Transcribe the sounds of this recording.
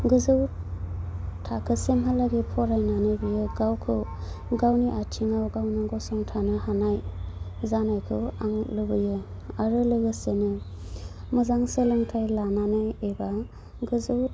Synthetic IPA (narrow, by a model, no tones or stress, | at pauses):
ɡɯzɯw | tʰakʰɯsemɦalaɡipʰɔɾajnanɯbɯjɯɡawkʰɯ | ɡawniʔatʰiŋawɡawnaɡɔsɔŋtʰanɯhanaj | zanajkʰɯaŋlɯbɯjɯ | aɾɯlɯɡɯsenɯ | mɯzaŋselɯŋtʰajlananɯeba | ɡɯzɯw